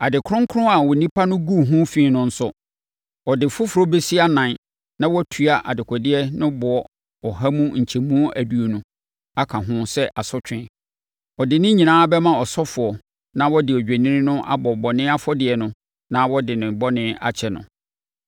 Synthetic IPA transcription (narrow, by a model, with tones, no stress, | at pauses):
a˨dɪ˨kʰʊ̃˦ŋ˦kʰʊ˦ʊ̃˦a˨wɔ˨nĩ˦pʰa˦nʊ̃˦ɡu˦˨ɦʊ̃˦fĩ˦nʊ̃˦˨n̩˦sʊ˦ | ɔ˨dɪ˨fʊ˦fʊ˨ɾɔ˦be˦si˦a˦nã˨n˦ | nã˦wɔ˦tʰu˦a˨ʔa̰˨dɪ˨kʰɔ˨dɪ˦ɛ˦nʊ̃˦bʊ˨ɔ˨ | ɔ˨ɦa˦mũ˦ɲ̩˨t͡ɕʰe˨mũ˦o˦ʔæ˨du˨o˨nũ˦ | a˦kʰa˨ɦʊ̃˦sɛ˦ʔa˨sɔ˦t͡ɕᶣɪ̃˨˦˨ | ɔ˨dɪ˨nɪ̃˦ɲĩ˨nãː˦bɛ˦mã˦ɔ˨sɔ˦fʊ˨ɔ˨ | nã˦wɔ˦dɪ˨ɔ˨d͡ʑᶣæ˨nĩ˦nʊ̃˦ʔa̰˦bɔ˨bɔ˨nɪ̃˦a˦fɔ˦dɪ˨ɛ˨nʊ̃˦ | nã˦wɔ˦dɪ˨nɪ̃˨bɔ˦nɪ̃˦a̰˨t͡ɕʰɛ˨nʊ̰̃˨